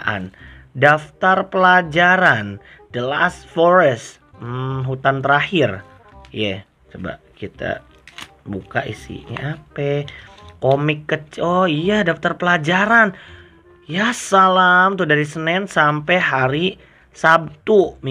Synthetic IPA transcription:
ʔa̰ndaft̪arpəlad͡ʒaɾan | d̥əla̰sfoɾɛst̪ | ɦut̪ant̪əɾahɪr | ja | t͡ʃoba̰ʔkit̪a̰ | buka̰ʔḭsḭɲa̰apɛkomɪkːət͡ʃɔijadaft̪arpəlad͡ʒaɾan | jasalamt̪udaɾisənɛnsampɛjɦaɾi | sab̚t̪um

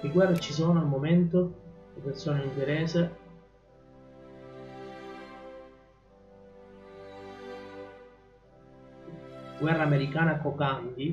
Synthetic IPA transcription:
liɡwɛrːet͡ʃis̬oːnoalmoment̪od̪ipersoːneiŋɡ̪eɾeːse | ɡwɛrːaːmeɾikaːnakokand̪i

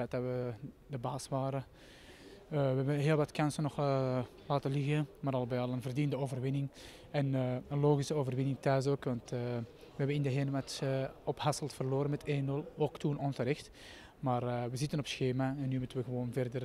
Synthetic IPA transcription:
ɛt̚daʋə | dəbaːsʋaːɾə | ʋəɦɛbəɦeːlˠʋɑtkɑnsənɔx | laːtəlɪɣəmaːɾɑlˠəbɛɑlˠənvərdindəoːvərʋɪnɪŋ | ɛnːənloːɣisəoːvərʋɪnɪŋtœːs̬oːkʋɑntː | ʋəɛbənɪndəɦeːnəʋatːɔphasəlˠtfərloːɾənmɛtʰeːnːʏlˠoːktunɔnsəɾɛxt | maːrʋəzɪtənɔpsxeːmaɛnːyːmutənʋəɣəʋoːnvɛrdər

